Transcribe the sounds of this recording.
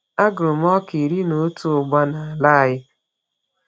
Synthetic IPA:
a˦ɡʊ˨m˦ɔ˦ki˨ɾi˦no˨˦tu˦ʊ˨ɡ͡ba˦na˨la˦a˨jɪ˦

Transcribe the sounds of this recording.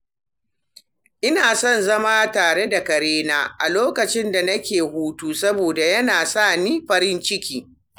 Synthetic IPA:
ʔɪ˦naː˨sɔ˦˨nzɐ˦maː˦taː˨ɽe˦da˨kɐ˨ɾeː˦naː˦ʔa˨loː˦kɐ˨t͡ʃɪ˦nda˨nɐ˦kʲeː˨huː˦tuː˦sɐ˦boː˨da˨jɐ˦naː˨saː˦˨niː˦ɸɐ˦ɾɪ˦nt͡ʃɪ˦kʲiː˨

